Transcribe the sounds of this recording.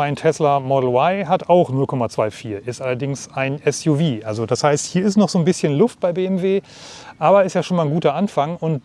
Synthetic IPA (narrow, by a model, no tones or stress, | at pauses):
aɪntʰɛslɐmɔdl̩waɪɦataʊxnʊlkʰɔmat͡sv̥aɪfiːɐʔɪstʔalɐdɪŋsaɪnʔɛsjuviːʔalzodashaɪsthiːɐɪstnɔχz̥oːnbɪsçənlʊft̚b̥aɪbeːɛmveː | ʔaːbɐɛɪstjaːʃoːnmaːlnɡuːtɐʔanfaŋʊnt